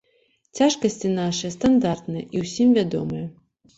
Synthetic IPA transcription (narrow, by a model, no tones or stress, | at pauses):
t͡sʲaʂkɐsʲt͡sʲinaʂɨjɐst̪and̪art̪nɨjɛ̰ʔiwsʲimvʲad̪ɔ̰mɨjɐ